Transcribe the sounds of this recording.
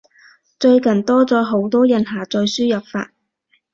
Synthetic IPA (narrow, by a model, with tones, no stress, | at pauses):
t͡ʃɵ˧ɥkɐ˨˩nt̪ɔː˥t͡sɔː˨˥ɦo˨˥wt̪ɔː˥jɐ˨nɦaː˨˩t͡sɔː˧jsyː˥jɐ˨p̚fa̰ː˧t̚